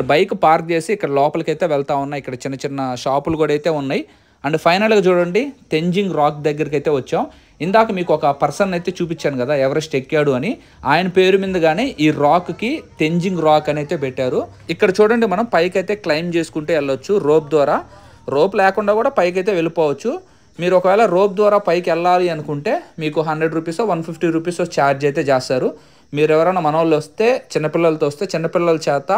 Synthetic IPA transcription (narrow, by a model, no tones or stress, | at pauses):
bɐjkupaːɾk̚t͡ʃe̞ːsiːkːɐɽɐlɔːpɐlɐkɐjt̪e̞ːʋɛɭt̪aːunːaːikːɐɽɐt͡ʃinːɐt͡ʃinːɐʃaːpulukuːɽɐjt̪e̞ːunːaːji | ɐɳɖepʰɐjnɐlɡaːt͡ʃuːɽɐɳɖiʈe̞ɲd͡ʒiŋɡɾaːk̚d̪ɐɡːɐɾikɐjt̪e̞ːʋɐt͡ʃːaːm | ind̪aːkɐmiːkuɔkɐpɐɾsɐnɐjt̪eːt͡ʃuːpit͡ʃːaːnukɐd̪aːɛʋɐɾɐsʈekːjaːɽuɐni | aːjɐnɐpe̞ːɾumind̪ɐɡaːneːʔiːɾaːkkiʈe̞ɲd͡ʒiŋɡɾaːkɐnejt̪e̞ːpɛʈːaːɾu | ikːɐɽɐt͡ʃuːɽɐɳɖimɐnɐmpɐjkɐjt̪e̞ːklɐjmt͡ʃe̞ːsu̥kuɳʈuɛlːɐt͡ʃːuɾo̞ːp̚d̪ʋaːɾaː | ɾo̞ːplɛːkuɳɖaːɡuːɽaːpɐjk̬ɐjt̪eːʋe̞lipoːʋɐt͡ʃːu | miːɾuɔkɐʋɛːɭɐɾoːb̚d̪ʋaːɾaːpɐjkɛlːaːliɐnukuɳʈe̞ːmiːkuɦɐɳɖɾeɖɾuːpiːsoːʋɐnpʰipʰʈiːɾuːp̬iːsoːt͡ʃaːɾd͡ʒɛːt̪̬eːd͡ʒaːsaːɾu | miːɾɛʋɐɾɐnɐmɐnɐʋlːʋɐst̪e̞ːt͡ʃinːɐpilːɐlɐt̪oːɐst̪e̞ːt͡ʃinːɐpilːɐlɐt͡ʃɛːt̪ɐ